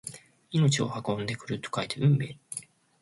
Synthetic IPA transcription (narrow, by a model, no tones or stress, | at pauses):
ino̞t͡ɕio̞̰hakõ̞nd̪e̞kɯ̟ɾɯ̟t̪ːo̥kait̪ʰeɯ̟̃mbe̞ː